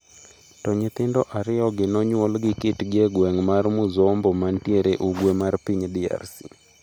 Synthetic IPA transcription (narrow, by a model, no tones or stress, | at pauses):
tɔɲɪt̪ɪndɔʔaɾɪɔɡɪnɔɲwɔlɡɪkɪtɡeɡwɛŋmarmʊzɔmbɔmantjeɾeʔuɡwemarpiɲdia̰rsi̥̰